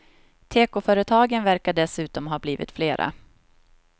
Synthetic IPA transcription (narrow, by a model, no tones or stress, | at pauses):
t̪ʰeːkʊfœːɾət̪ʰɑːɡənvæɾkaɖɛsʉ̟ːt̪ɔmɦɑːbliːvɪ̰t̪fleːɾʔa̰